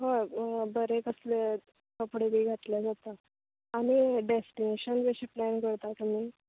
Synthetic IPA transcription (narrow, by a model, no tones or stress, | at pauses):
ɦobəɾekəsle | kəpɽebʱiːɡʱat̪lad͡zat̪aː | ɽ̃iɖesʈineɕənʋeɕiplænɡəɽt̪ak̪əmi